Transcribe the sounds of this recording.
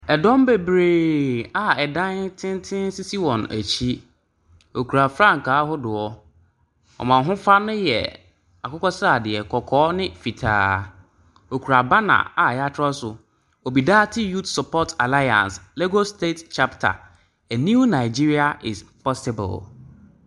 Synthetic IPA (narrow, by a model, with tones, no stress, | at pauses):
ɛ˨dɔ̃˦m˦be˨bɾeː˨a˨ɛ˨dã˦ntʰɪ̃˦n˦tʰɪ̃˦n˦si˦si˦wɔ̃˨næ̰˨t͡ɕʰi˦ | o˨kʰu˨ɾa˨fɾã˦˨ŋ˨ka˨˦ɦʊ˦dʊ˨ɔ˦ | ɔ̰˨mã˨ɦʊ̃˦fa˦nʊ̃˦jɛ̰˨ | a˨kʰʊ˦kɔ˦sa˨dɪ˨ɛ˨kʰɔ˨kʰɔː˦nɪ̃˦fi˨tʰa̰ː˦ | o˨kʰu˨ɾa˨ba˦nã̰˨a˨jɛ˨a˦tʰɾɔ˦sʊ˨ | o˨bi˨daː˦tʰi˦ju˦tsu˨pʰɔ˦tʰa˨la˦jã̰˨n˨sle˦ɡo˦stʰe˦tt͡ʃʰa˦ptʰa̰˨ | æ˨nũ˦nã˨ɪ˨d͡ʑi˦ɾi˦a˨ʔɪ˨spʰɔ˦sɪ˨bʊ̰˨l